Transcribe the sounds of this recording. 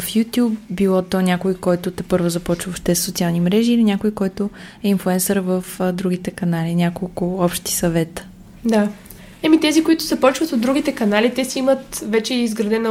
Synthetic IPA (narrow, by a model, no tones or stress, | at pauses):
fjut̪ʲjupbilˠɔt̪ɔnʲakʊikɔjt̪ʊt̪ɛpɤɾvʊzɐpɔt͡ʃvəopʃt̪ɛssot̪sialˠnimɾɛʒiːlinʲakʊjkɔjt̪ʊɛinfluɛnsəɾvəfd̪ɾuɡ̟it̪ɛkɐnalinʲakolˠkʊɔpʃt̪i̥sɐvɛt̪ə̥ | d̪a | ɛmit̪ɛzikoit̪ʊ̥zɐpɔt͡ʃvət̪od̪ɾuɡ̟it̪ɛkɐnalit̪ɛsiimət̪vɛt͡ʃɛizɡɾɐd̪ɛn